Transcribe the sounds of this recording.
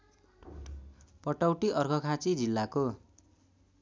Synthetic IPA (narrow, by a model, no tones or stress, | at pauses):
pʌʈʌwʈiʔʌrkʰʌkʰãt͡sid͡zilːako